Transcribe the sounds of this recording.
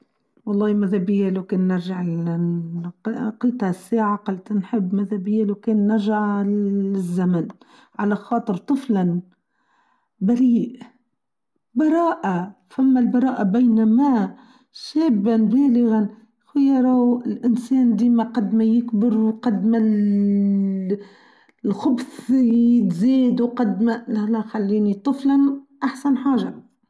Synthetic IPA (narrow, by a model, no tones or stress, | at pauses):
wɑlˤːɑːhmaðabɪjːalakeːnːɪɾʒaʕ | qqiːt̪hasːaːʕaqɑlt̪nħɪbːmaðabɪjːalawkeːnːaɾʒaʕ | ɪzːaman | ʕalaxɑːt̪ˤɨɾt̪ˤɨflan | baɾiːʔ | bɑɾˤɑːʔa | famːalbɑɾˤɑːʔabajnama | ʃeːbːanbeːlɪɣan | xʊjɑɾˤawɪlʔɪnseːnd̪iːmaqɑd̪majɪkbɪɾwqɑd̪mal | lxʊbsjɪt̪ziːd̪uqɑd̪malalaxalːiːnit̪ˤɨflanʔaħsanħaːʒa